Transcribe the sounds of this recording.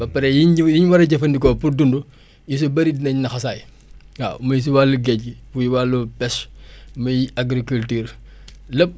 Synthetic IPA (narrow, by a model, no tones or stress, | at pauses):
bɐpɐɾɛjijiɲwɐɾɐɟɐfɐndikɔːpuɾdundu | jis̬ubɐɾidinɐɲnɐxɐsaːj | ha̰məjs̬uwalːuɡɛɟifujiwalːupɛsmɐjaɡɾikultiːɾ | lɐb̚